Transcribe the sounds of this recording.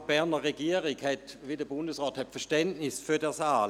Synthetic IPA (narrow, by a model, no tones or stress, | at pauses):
b̥ɛʁnəʁeɡiəʁɪɡhɛtʋidəbʊndəsʁɔːthɛtfɛɐʃtɛntnɪsfyːɐdɛːɐsaːl